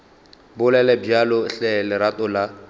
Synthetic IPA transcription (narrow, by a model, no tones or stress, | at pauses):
bʊlɛlɛbjalɔɬɛlɪɾatʼɔla